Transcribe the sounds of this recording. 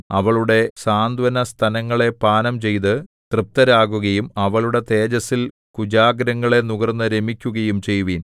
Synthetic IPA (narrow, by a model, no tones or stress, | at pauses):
ɐʋɐɭuɽe̞saːnd̪ʋɐnɐst̪ʰɐnɐŋːɐɭe̞paːnɐmt͡ɕe̞jt̪̬ɨt̪rɨp̚t̪ɐɾaːɣuɣɐjumɐʋɐɭuɽe̞t̪e̞ːd͡ʑɐsil | kud͡ʑaːɡɾɐŋːɐɭe̞nuɣɐrnːɐɾe̞mikʲːuɣɐjumt͡ɕe̞jːuʋiːn